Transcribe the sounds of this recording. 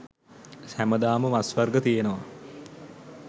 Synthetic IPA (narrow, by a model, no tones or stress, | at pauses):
sæməd̪aːməmasʋarɡət̪ijenəʋa